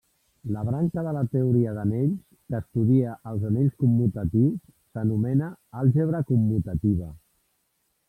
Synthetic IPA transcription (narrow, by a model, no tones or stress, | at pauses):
ləβ̞ɾaŋkəðələt̪əuɾiəðəneʎs | kəːst̪uðiəʔəlˠzəneʎskumːut̪ət̪iwsːənumɛnəalˠʒəβ̞ɾəkumːut̪ət̪iβ̞ə